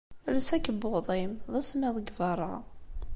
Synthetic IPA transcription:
ləsækːəbʊðˤimðˤæsmæðˤəɡvɑɾˤːɑ

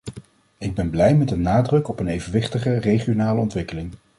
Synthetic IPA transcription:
ɪɡ̚bɛnblɛjmɛddənaːdrɵkɔpənejvənʋɪχtəχərejχijonaːləɔntʋɪkəlɪŋ

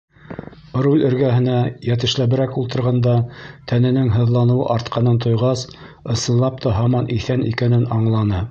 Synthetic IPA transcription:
ɾulʲɘ̆ɾɡæɦɘ̆næjæt̪̬ɘ̆ʃlæβɘ̆ɾækulˠt̪ɤ̆ɾʁɑnd̪ɑt̪ʰænɘ̆nɘŋɦɤ̆ðlˠɑnɤ̆wɤ̰ʔɑɾt̪qʰɑnɤnt̪ŏjʁɑs | ɤ̆sɤ̆nlˠɑp̚t̪ʰɑɦɑmɑnʔiθænḭkænɘnɑɴlˠɑnɤ

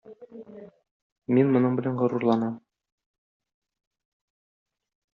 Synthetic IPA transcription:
minmŏnɤɴbɘ̆lænʁŏɾuɾlˠɑnɑm

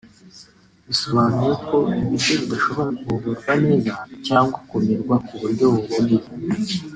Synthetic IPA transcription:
βiso̞βanujekʰo̞iβiɾɡoβidaʃo̞βouβuɾɡwaniːzacaːŋɡwakumiɾɡwakuβuɾɟo̞βuβuni

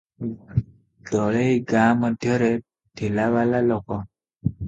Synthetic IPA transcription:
ɡɔɭejɡãməd̪ʱjəɾe | tʰelaʋalalɔkɔ

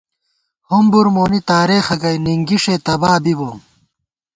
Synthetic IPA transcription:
humbuɾmoːnit̪aːɾeːxɐɡɐjniŋɡiʂeːt̪ɐbaːbiboː

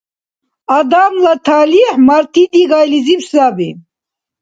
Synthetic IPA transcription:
ad̪amlat̪ʰaːliħmaɾt̪ʰid̪iɡajlizipsabi

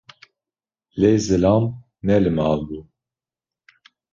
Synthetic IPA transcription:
lezɨlɑːm | nɛlɨmɑːlbuː

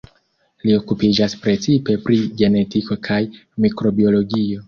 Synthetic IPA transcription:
lio̞kupid͡ʒaspɾe̞t͡sipe̞pɾiɡe̞ne̞tiko̞kʰajmikɾo̞bio̞lo̞ɡio̞

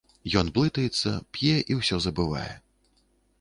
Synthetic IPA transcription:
jɔnblˠɨt̪ɐjɛt̪sːɐ̰pʲjɛʔiwsʲɔzɐbɨva̰jɛ̰

